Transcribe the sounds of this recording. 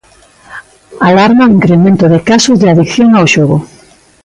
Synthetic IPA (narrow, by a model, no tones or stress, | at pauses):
alaɾmaiŋkɾemẽnt̪oðekasozðeaðikθjoŋaoʃoɣo